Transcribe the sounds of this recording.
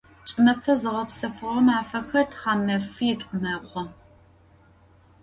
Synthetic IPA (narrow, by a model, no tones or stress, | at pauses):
t͡ʃʼɪmɐfɐzɨʁɐpsɐfɨʁɐmaːfɐxɐrtʰχɑːmɐfijɛtʼqʷʊmɐʁʷɔ